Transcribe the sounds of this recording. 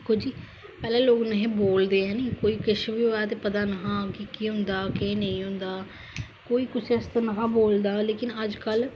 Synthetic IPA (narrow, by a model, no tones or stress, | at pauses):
kʰːoːd͡ʒiː | pɛːlɛ̃ːloːknəɦẽːboːld̪eːɛ̃ːniːkoːiːkɪʃʋiaːt̪eːpət̪aːnəɦãːkɪkiːɦʊ̃nd̪aːkẽːnəĩːɦʊ̃nd̪aː | koːiːkʊseəst̪anəɦãːboːld̪aːleːkɪnəd͡ʒkəl